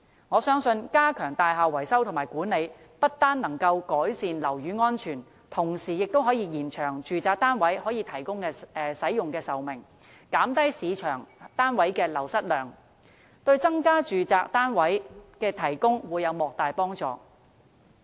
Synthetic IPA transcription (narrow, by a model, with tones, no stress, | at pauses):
ŋɔː˨˧sœː˥ŋsɵ˧nkaː˥kʰœː˨˩ŋt̪aː˨jɦaː˨wɐ˨˩jsɐ˥wt̪ʰʊ˨˩maː˨˩jkuː˨˥nle˨˧j | pɐ˥t̚t̪aː˥nːɐ˨˩ŋkɐ˧wkɔː˨˥jsiː˨nlɐ˨˩wjyː˨˧ŋɔː˥nt͡ʃʰyː˨˩n | t̪ʰʊ˨˩ŋsiː˨˩jɪ˨k̚t̪o˥wɦɔː˨˥jiː˨˧jiː˨˩nt͡ʃʰœː˨˩ŋt͡ʃyː˨t͡saː˨˧k̚t̪aː˥nwɐ˨˥jhɔː˨˥jiː˨˧t̪ʰɐ˨˩jkʊ˥ŋkɛː˧ɛː˨sɐ˨˥jjʊ˨ŋkɛː˧sɐ˨wmɪ˨˩ŋ | kaː˨˥mt̪ɐ˥jsiː˨˧t͡ʃʰœː˨˩ŋt̪aː˥nwɐ˨˥jkɛː˧lɐ˨˩wsɐ˥t̚lœː˨˩ŋ | t̪ɵ˧ɥt͡sɐ˥ŋkaː˥t͡ʃyː˨t͡saː˧k̚t̪aː˥nwɐ˨˥jkɛː˧t̪ʰɐ˨˩jkʊ˥ŋwuː˨˧jɐ˨˧wmɔː˨k̚t̪aː˨jpɔː˥ŋt͡sɔ̰ː˨˧